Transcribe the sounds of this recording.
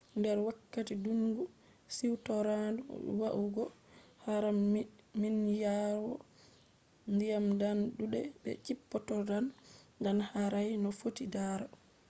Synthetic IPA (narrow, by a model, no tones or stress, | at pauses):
ndɛɾwakːatiduŋɡu | siwtɔɾadɔ̰waʔuɡɔ | haɾamminjaɾɔ | ndijamdanɗuɗɛbɛ̰t͡ʃipːɔtɔdandanhaɾajnɔfotidaɾa